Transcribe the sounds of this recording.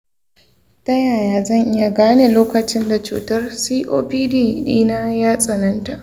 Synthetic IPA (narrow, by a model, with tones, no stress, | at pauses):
tɐ˦jaː˨jaː˨zɐ˦˨ŋʔɪ˦ja˨ɡaː˦neː˨loː˦kɐ˨t͡ʃɪ˦nda˨t͡ʃṵː˨tɐ˦rsiː˦ʔo̰ː˦piː˦diː˦˨dḭː˦naː˦jaː˦sʼɐ˨nɐ˦nta˨ʔ